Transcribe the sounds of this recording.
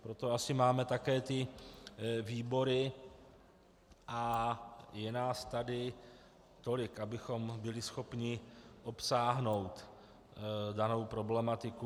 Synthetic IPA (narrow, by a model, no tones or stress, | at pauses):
pɾo̞t̪o̞asɪmaːmɛt̪akɛːt̪ɪ | viːbo̞ɾɪ | ʔa | jɛnaːst̪adɪ | t̪o̞lɪkʔabɪxo̞mbɪlɪsxo̞pɲɪʔo̞psaːɦno̞wt̪ | dano̞wpɾo̞blɛmat̪ɪku